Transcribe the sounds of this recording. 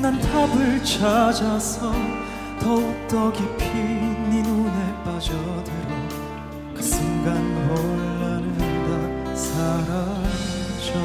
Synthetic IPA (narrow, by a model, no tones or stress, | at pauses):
nantʰabɯɭt͡ɕʰad͡ʑasʰʌ | tʌut͈ʌɡipʰininunep͈ad͡ʑʌdɯɾʌ | kɯ̥sʰɯŋɡanwʌɭːanɯbasʰaɾa | d͡ʑo